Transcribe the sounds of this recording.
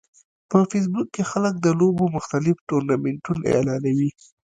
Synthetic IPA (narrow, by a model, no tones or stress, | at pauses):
pəfes̬bukːexalək̚d̪əlobomʊxt̪alɪfʈoɾnameɳʈunḛlɑnawi